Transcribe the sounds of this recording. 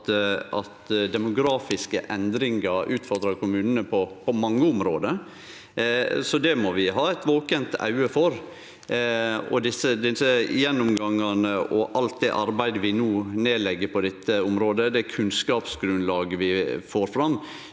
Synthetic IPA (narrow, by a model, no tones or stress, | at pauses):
t̪ɑt̪d̪ɛmʊɡɾɑːfɪskəʔɛnd̪ɾɪŋɑɾʉːt̪fɔɾd̪ɾɑkʰʊmʉːnənəpʰɔpʰɔmɑŋːəʊmɾoːd̪ə | sɔd̪ɛmɔʋɪɦɑːæt̪ʋoːkənt̪ʰɑ̰ʉəfɔɾ | ɔ̰d̪ɪsəd̪ɪsəjɛnːʊmɡɑŋːɑnəɔʔɑlt̪̚d̪ɛʔɑɾbæɪd̪əʋɪnuːneːlɛɡːəɾpʰɔd̪ɛt̪ːəʊmɾoːd̪əd̪ɛkʰʉnskɑːpsɡɾʉnlɑːɡəʋɪfoːɾfɾɑmː